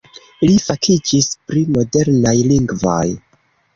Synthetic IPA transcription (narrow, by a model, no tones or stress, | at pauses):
ilifakʰid͡ʒispɾimo̞de̞ɾnajliŋɡvo̰j